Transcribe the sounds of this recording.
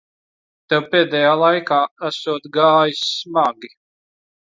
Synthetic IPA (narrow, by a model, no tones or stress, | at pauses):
t̪ɛwpeːd̪ɛjaːlˠajkaːæsuɔt̪ɡaːjismaɡi